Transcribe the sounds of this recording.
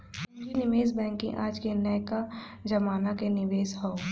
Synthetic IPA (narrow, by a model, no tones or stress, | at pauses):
ʊd͡ʒinɪʋeːsbɛ̃ːŋkĩʔaːd͡ʒkenɛjka | d͡ʒɐmaːnakenɪʋeːsɦɔː